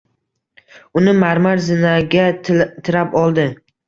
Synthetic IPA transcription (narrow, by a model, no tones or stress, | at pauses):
ʊnɪmaɾmaɾzɪnaɡʲat̪ʰɪɾapɒlˠd̪ɪ